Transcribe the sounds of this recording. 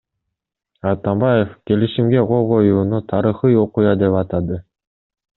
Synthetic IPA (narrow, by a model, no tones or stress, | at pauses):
ɑt̪ɑmbɑje̞fke̞liʃimɡe̞qʰo̞lˠʁo̞juːnut̪ʰɑɾɯχɯjo̞qujɑd̪e̞pɑt̪ɑd̪ɯ